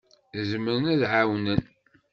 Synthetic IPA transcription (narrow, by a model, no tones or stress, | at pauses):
zməɾnæðʕawnən